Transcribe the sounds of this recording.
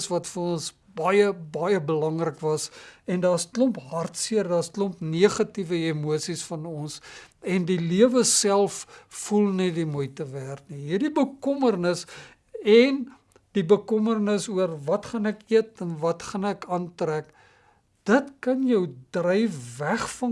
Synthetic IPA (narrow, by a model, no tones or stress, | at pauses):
svɐtfərɔns | bɐjəbɐjəbəlɐŋrəkvɐsɛndɑːstlɔmpɦɐrtsiərdɑːstlɔmpniəχɐtivəemuəsisfɐnɔnsɛndiliəvəsælˠffulˠnɛdimujtəværtniɦirdibəkɔmərnəs | ɛn | d̥ibəkɔmərnəsuərvɐtχɐnækiətɛnvɐtχɐnækɑːntræk | d̥ətkɐnjəwdrəjfvæχfɐ